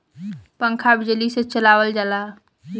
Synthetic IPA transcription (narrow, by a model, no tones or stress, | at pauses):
pə̃ŋkʰabɪd͡ʒlisẽt͡ʃəlaːʋəld͡ʒalaː